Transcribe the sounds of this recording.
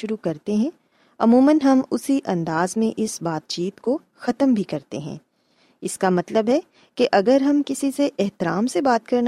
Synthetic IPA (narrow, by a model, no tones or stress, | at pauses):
ʊɾukɐɾt̪eɦɛ̃ | ɐmuːmənɦɐmʊsiʔɐ̃nd̪aːzmẽʔɪsbaːt̪̚t͡ʃiːt̪ko | xɐt̪əmbʱikɐɾt̪ḛɦɛ̰̃ː | ɪskamɐt̪ləbɦɛ | keʔɐɡəɾɦɐmkɪsiseʔɛɦt̪ɪɾaːmsebaːt̪̚kɐɾnt